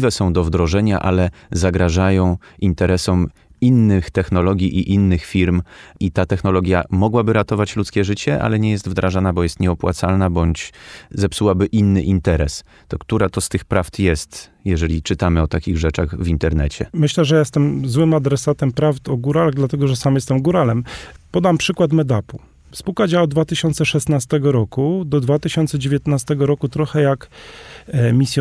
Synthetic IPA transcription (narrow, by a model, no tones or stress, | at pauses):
vɛsɔ̃w̃d̪ɔvd̪ɾɔʐɛɲa̰ʔalɛzaɡɾaʐajɔ̃w̃int̪ɛɾɛsɔm | inːɘxt̪ɛxnɔlɔɡʲjiʔiʔinːɘxfʲiɾmit̪at̪ɛxnɔlɔɡʲjamɔɡwabɘɾat̪ɔvat͡ɕlut̪skʲɛʐɘt͡ɕɛʔa̰lɛɲɛjɛst̪vd̪ɾʔaʐanabɔjɛst̪ɲɛɔpwa̰t̪salnabɔɲt͡ɕzɛpsuwabɘʔinːɘʔint̪ɛɾɛs | t̪ɔkt̪uɾat̪ɔst̪ɘxpɾaft̪jɛst̪jɛʐɛlʲit͡ʂɘt̪amɘɔt̪akʲiɣʐɛt͡ʂaɣvʲint̪ɛɾnɛt͡ɕɛ̰mɘɕlɛʐɛjajɛst̪ɛmzwɘmad̪ɾɛsat̪ɛmpɾavt̪ɔɡuɾalaɣd̪lat̪ɛɡɔʐɛsamjɛst̪ɛmɡuɾalɛmpɔd̪ampʂɘkwat̪mɛd̪apu | spuwkad͡ʑawad̪vat̪ɘɕɔnt̪sɛʂɛst̪nast̪ɛɡɔɾɔkud̪ɔd̪vat̪ɘɕɔnt̪sɛd͡ʑevʲjɛt̪nast̪ɛɡɔɾɔkut̪ɾɔxɛjak | mʲisʲjɔ